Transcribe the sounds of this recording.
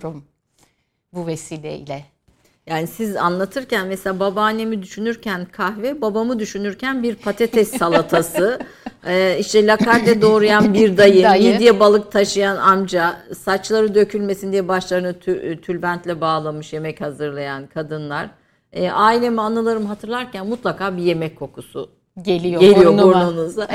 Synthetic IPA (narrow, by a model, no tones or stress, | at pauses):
m | buvesiːlʲḛḭlʲɛ | jaːnisiza̰nlˠat̪ʰɯɾcænmɛselʲaːbabaːne̞mid̪yʃynyɾcʰænkʰahvɛbabamɯd̪yʃynyɾcʰænbiɾpʰat̪ʰɛt̪ʰɛst̪ʰalˠat̪ʰasɯː | iʃt̪ɛlʲakʰaɾd̪ɛd̪o̞ːɾujanbiɾd̪ajɯmid̪ijɛbalˠɯk̚t̪ʰaʃɯjanamd͡ʒasat͡ʃlˠaɾɯd̪ø̞cʰylʲme̞sind̪ijɛbaʃlˠaɾɯnɯt̪ʰt̪ʰylʲbænt̪lʲɛbaːlˠamɯʃje̞mɛchazɯɾlˠajankʰad̪ɯnlˠaɾ̥ | ʔaːilʲe̞mianˠɯlˠaɾɯmɦat̪ʰɯɾlˠaɾcʰænmut̪lˠakʰaːbije̞mɛckʰːo̞kusu | ɟelʲiɟe̞lʲijooɾnonuza